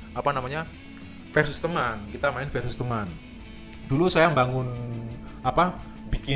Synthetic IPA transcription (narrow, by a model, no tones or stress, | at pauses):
apanamaɲa | fɛrsʊst̪əmankit̪amaɪnfɛrsust̪əman | d̥ulusajambaŋʊn | apa | bikɪ